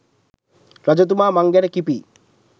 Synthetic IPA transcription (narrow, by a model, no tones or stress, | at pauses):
ɾad͡ʒot̪̬umamaŋɡenekipi